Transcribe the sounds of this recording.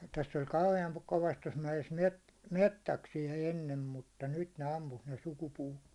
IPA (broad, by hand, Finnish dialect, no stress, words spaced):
tæsː olʲ kɑuheɑŋ koʋɑst tos mæjes met metːæksijæ enːem mutːɑ nyt ne ɑmpus ne sukupuːtːoːn̞